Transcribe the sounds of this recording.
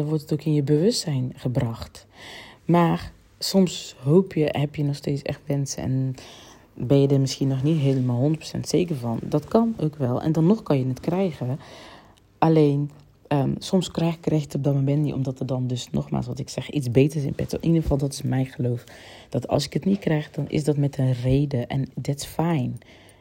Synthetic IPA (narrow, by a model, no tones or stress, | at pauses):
ɔnʋɔrtətoːkɪnjəbəʋøstsɛjnxəbrɑxt | maːr | sɔmsɦoːpʰjəhɛpjənɔxsteːt͡ssɛ̰xtʋɛnsəɛ̰n | bɛnjədəmɪsxiənɔxnitɦeːləmaːlˠɦʊndərpro̥sɛ̰ntseːkərvɑndɔtkɑnoːkʋɛlˠɛ̰ndɔnːɔxkɔnjənɛtkrɛjɣə | ʔaleːn | əsɔmskrɛjxkːrɛjxjɪətɔb̚dɔmomɛntiʔɔ̰mdɔtədɔndɵsnɔ̰xma̰ːlsʋɑtɪksɛxizbeːtərɪsɪ̰npɪto̰ʔinəfɑlˠdɔtɪ̥smɛjχəloːfd̥ɔtɑ̰lˠsɪkətnit̚krɛjxdɔnʔɪ̰sdɔtmɛtʰənreːdəʔɛ̰ndɛtɪsfɛjn